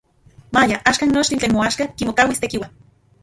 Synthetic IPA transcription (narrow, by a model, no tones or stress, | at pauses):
majaʔaʃkanːot͡ʃt̪int͡ɬeːnmoaʃkakimokawist̪ekiwan